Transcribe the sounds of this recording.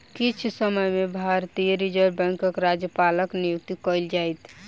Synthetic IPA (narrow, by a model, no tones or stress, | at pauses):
kit͡ʃʰsəməjmebʱaɾt̪ijəɾid͡ʒəɾbɛ̃ŋkəkɾad͡ʒjəpaləknijuk̚t̪ikəjld͡ʒajt̪ʰ